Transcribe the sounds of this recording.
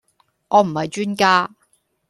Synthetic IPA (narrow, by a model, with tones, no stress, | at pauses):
ŋɔː˨˧m̩˨˩hɐ˨jt͡ʃyː˥nkaː˥